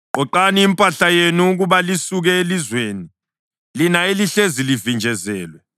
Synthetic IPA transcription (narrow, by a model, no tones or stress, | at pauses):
ɔǃaniːmpʼaɬajenuːk̬uɓalisuk̬ɛelizweːni | linaeliɬezilivind͡ʒʱɛzɛːlwɛ